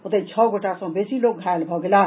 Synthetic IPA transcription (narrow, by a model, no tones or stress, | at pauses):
ʊt̪ẽt͡ʃʰɔɡʱoʈasɔ̃besilok̚ɡʱaelbʱɔɡela